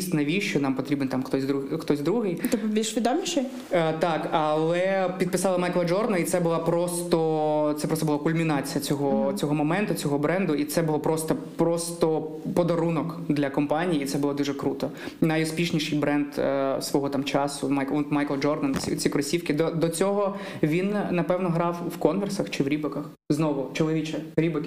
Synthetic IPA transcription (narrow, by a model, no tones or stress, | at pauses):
sʲt̪ʲnɐʋʲiʃt͡ʃɔnɑmpɔt̪ɾʲibɛnt̪amxt̪ɔsʲd̪uxt̪ɔzʲd̪ɾuɦɪjt̪ɛpʋʲiʃʋʲid̪ɔmʲnʲiʃɛ | t̪ɑkɐlˠɛpʲid̪̚pɪsɑlˠɐmɑjklˠɐd͡ʒɔrd̪nɐnit̪sɛbʊlˠɑpɾɔst̪ɔt̪sɛpɾɔst̪ɔbʊlˠakʊlʲmʲinɑt͡sʲijɐt͡sʲɔɦɔt͡sʲɔɦɔmɔmɛnt̪ʊt͡sʲɔɦɔbɾɛnd̪ʊit̪sɛbʊlˠɔpɾɔst̪ɔ | pɾɔst̪ɔ | pɔd̪ɐɾunɔkd̪lʲɐkɔmpɑnʲijiːt̪sɛbʊlˠɔd̪uʒɛkɾut̪ɔnɑjʊspʲiʃnʲiʃɪjbɾɛnd̪sʋɔɦɔt̪ɑmt͡ʃɑsʊmɑjkɔt̪mɑjkɛlˠd͡ʒɔrd̪ɐnʲit͡sʲikɾɔsʲiwkʲɪd̪ɔd̪ɔt͡sʲɔɦɔ | ʋʲinːɐpɛwnɔɦɾɑwwkɔnʋɛrsɐxt͡ʃɪwɾʲibɐkɐx | znɔʋʊt͡ʃɔlˠɔʋʲit͡ʃɛɾʲibɪkɪ